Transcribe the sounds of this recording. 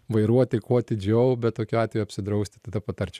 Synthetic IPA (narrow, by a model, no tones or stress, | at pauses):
ʋɐɪɾuɔt̪ʲɪkoːɐt̪ʲɪd͡ʒʲɛʊbʲɛt̪̚t̪oːkʲuɑːt̪ʲʋʲejuɐpʲsʲɪd̪ɾɐʊsʲt̪ʲɪt̪ɐd̪ɐpɐt̪ɐɾʲt͡ʃʲɛ